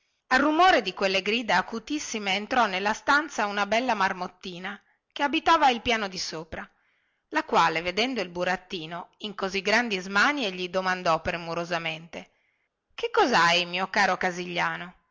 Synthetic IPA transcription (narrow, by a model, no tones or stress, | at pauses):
arːumoːɾed̪ikwelːeɡɾiːd̪eakut̪isːimeːnt̪ɾɔnelːast̪ant̪saunabɛlːamarmot̪ːiːna | keabit̪aːvailpjaːnod̪isoːpɾa | lakwaːleved̪ɛnd̪oilbuɾat̪ːiːnoiŋkoziɡɾand̪izmanieʎid̪omand̪ɔpːɾemuɾozament̪e | kekːɔzajmiːokaːɾokaziʎːaːno